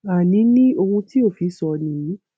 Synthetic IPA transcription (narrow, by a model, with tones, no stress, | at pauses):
a˨nĩ˨˦nĩ˦o˧ɾũ˧ti˦o˦˨fi˨˧˦sɔ˧nĩ˨˦